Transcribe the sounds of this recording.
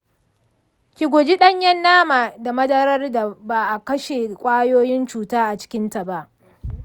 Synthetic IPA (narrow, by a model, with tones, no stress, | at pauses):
kʲi˨ɡʷʊ˨d͡ʒi˦ɗɐ˦ɲjɛ˦nːaː˦maː˨da˨mɐ˦dɐ˦ɾɐ˦rda˨baː˨ʔa˨kɐ˦ʃe˨kʷʼaː˦joː˦jɪ˦nt͡ʃuː˨taː˦ʔa˨t͡ʃɪ̥˦kʲɪ˦nta˨ba˦ʔ